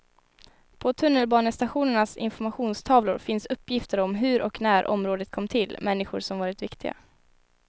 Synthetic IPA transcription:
pʰɔt̪ʰɵnːəlbɑːnəst̪aɧuːnəɳasɪ̰nfɔɾmaɧuːnst̪ʰɑːvlʊɾfɪnsɵpːjɪft̪əɾɔmɦɵɾʔɔ̰knæːɾʔɔ̰mɾoːd̪ət̪̚kʰɔmːt̪ʰɪlːmʔɛnːɪɧʊɾʂɔmvɑːɾɪt̪vɪkt̪ʰɪɡa̰

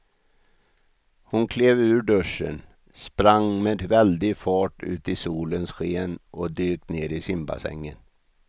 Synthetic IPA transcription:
hʊnkʰleːvʉ̟ːɖɵʂːə̰n | spɾaŋmeːd̪vɛld̪ɪɡfɑːʈʉ̟̰ːt̪ɪsuːlənsɧeːnɔd̪yːkneːɾɪsɪmba̰sɛ̰ŋːən

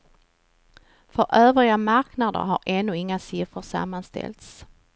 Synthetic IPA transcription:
fœɾʔøːvɾɪɡamaɾknad̪ə̰ɾɦaɾɛnːɵɪŋːasɪfɾəʂa̰mːanst̪ɛ̰lt̪s

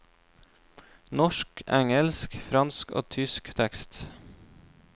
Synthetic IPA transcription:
nɔʃkæŋəlskfɾɑnsko̰ːt̪ʰʏskt̪ʰɛkst̪

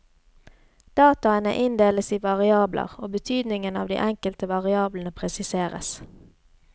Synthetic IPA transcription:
d̪̥ɑːt̪ɑənə̰ʔɪnd̪eːləsiːʋɑʁɪɑːblʔə̰ʁoːbət̪ʰyːd̪nɪŋənɑ̰ːʋd̪ḭːʔɛŋkəlt̪əʋɑʁɪɑːblənəpʰʁɛsɪseːʁə̰s

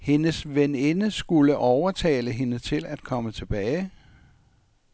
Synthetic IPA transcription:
he̝nəsʋenenəsɡ̥uləʔɒʊɐt͡sʰɛ̰ːləɦe̝nət͡sʰe̝læd̥kʰɒ̽mət͡sʰe̝b̥ɛːɪ

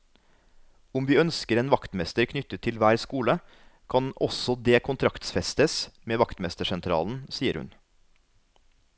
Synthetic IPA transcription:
ʊmʋiːœnskəɾeːnʋɑkt̪mɛst̪əɾkʰnʏt̪ət̪ʰːɪlʋæːɾskuːlə | kʰɑnɔsɔd̪eːkʰʊnt̪ʰɾɑkt̪sfɛst̪əsmeːʋɑkt̪mɛst̪əʃɛnt̪ʰɾɑ̰ːln̩siːəɾʉ̰n

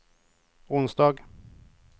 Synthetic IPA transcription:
ʊnsd̪ɑːɡ

